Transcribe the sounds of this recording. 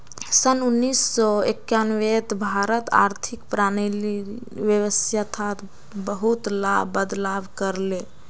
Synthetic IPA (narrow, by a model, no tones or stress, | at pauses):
sənunːisːɔekjanʋet̪bʱaɾət̪a̰ɾt̪ʰikpɾanili | ʋjəʋəsʰjat̪ʰat̪ | bəɦut̪labəd̪labkəɾle